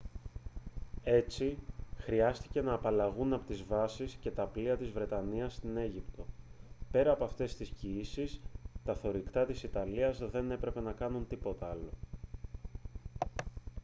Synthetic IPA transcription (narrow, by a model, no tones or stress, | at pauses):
e̞t͡sixɾiɐst̪i̥ce̞nɐːpɐlɐɣunɐpot̪izvɐsisce̞t̪ɐpliɐt̪izvɾe̞t̪ɐniɐst̪ine̞ʝipt̪o̞pe̞ɾɐːpoɐft̪e̞st̪isciisist̪ɐθo̞ɾikt̪ɐt̪isit̪ɐliɐzðe̞ne̞pɾe̞pe̞nɐkɐnunt̪ipo̞t̪ɐɐlo̞̰